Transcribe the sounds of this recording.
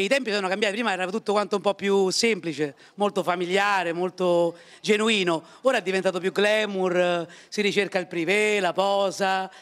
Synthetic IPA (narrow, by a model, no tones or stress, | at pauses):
eit̪ɛmpisɔnːokambjat̪ipɾiːmaɛːɾat̪ut̪ːokwant̪oumpɔpːjusemplit͡ʃe | molt̪ofamiljaːɾemolt̪o | d͡ʒenuiːno | oːɾaɛd̪ːivent̪̬aːt̪op̬juɡlɛːmursiɾit͡ʃerkailpɾivelapɔːsa